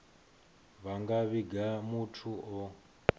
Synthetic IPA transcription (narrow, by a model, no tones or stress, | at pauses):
βaŋɡaβiɡʱamutʰuɔ